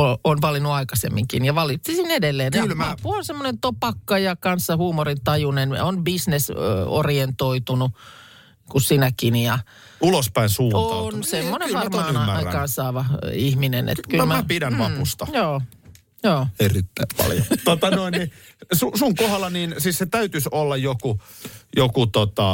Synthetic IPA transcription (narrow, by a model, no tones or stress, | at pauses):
oonʋɑlinuɑikɑsḛmːiŋkinjɑʋɑlit̪ːisinedelːeːnkɑylmæɑpːuonsemːonent̪opɑkːɑjɑkɑnsːɑhuːmorint̪ɑjunen̰onbisneso̰rient̪oit̪unu | kussinækinjɑ | ulospæinsuːot̪ɑnsemːoneʋɑrmɑːɑikɑːnsɑːʋɑihminḛnḛt̪kyllmæmæpidænʋɑpust̪ɑjoː | joːerit̪ːæimpɑ̰ljo̰t̪ot̪ɑnoinni | susuŋkohɑlːɑniːnsiːsset̪æyt̪ysolːɑjjoku | jokut̪ot̪ɑ